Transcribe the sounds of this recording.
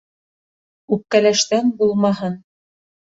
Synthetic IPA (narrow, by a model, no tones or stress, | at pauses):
ʉp̚kælæʃt̪ænbulˠmɑɦɤn